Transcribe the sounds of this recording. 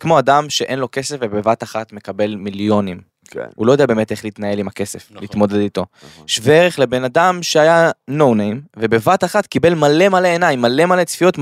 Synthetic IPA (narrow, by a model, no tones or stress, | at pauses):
kmo̞ad̪amʃeʔe̞nlo̞ke̞se̞fvebevat̪aχat̪me̞kabe̞lmiljo̞nim̰ | ṵlojd̪eabeːmete̞χliːt̪nae̞limake̞se̞fliːt̪mo̞d̪e̞d̪it̪o̞ʃveeʁeχle̞be̞nad̪amʃeajano̞wnejmve̞bevat̪aχat̪kibe̞lmale̞male̞ːnaimːale̞male̞t͡sfijot̪